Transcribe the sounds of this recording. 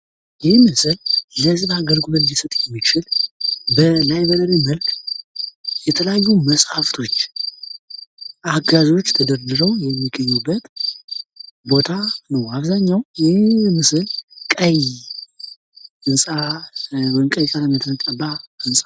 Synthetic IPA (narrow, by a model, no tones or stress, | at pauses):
jɪhmɨsɨlləzɨnaɡəlɡulənjɛsət̪ʼjɛmːikt͡ʃɪlbəlajbəɾəɾiməlkʰ | jɛt̪ʰələjajːuməsʼhaft̪ʰo̞t͡ʃː | ʔaɡazo̞t͡ʃːt̪ʰəd̪əɾd̪ɨɾəwjɛmːiɡːəɲːubːət̪ | bo̞t̪ʰanəwaβzaɲːawjɪemɨsɨlkʼəj | ɨnsʼa | wjnkʼəjkʼaləmət̪ʰɨnək̪ʼəbaɨnsʼḁ